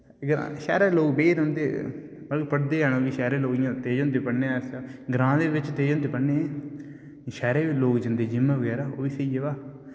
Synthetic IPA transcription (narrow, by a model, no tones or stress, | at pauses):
ɡɾã̰ːʃɛ̰ːɾeːloːkbeːɾõːnd̪eː | bəlpəɽd̪eːɦɛːnõːʋiːʃɛːɾeːloːɡijãːt̪eːd͡ʒõːnd̪eːpəɽneːɛːsaːɡɾãːd̪eːʋɪt͡ʃt̪eːd͡ʒõːnd̪eːpəɽneː | ʃɛːɾeːʋiːloːkd͡ʒənd̪eːd͡ʒɪmːẽːʋəɡɛːɾaːo̰ːʋiːseid͡ʒeːʋaː